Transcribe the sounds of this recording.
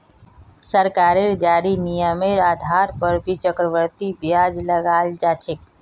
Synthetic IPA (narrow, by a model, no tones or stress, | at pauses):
səɾkaːɾeɾd͡ʒaːɾinijəmeɾaːd̪ʱaːɾpəɾbʱit͡ʃəkɾəʋəɾt̪ibjaːd͡ʒləɡaːld͡ʒaːt͡ʃʰek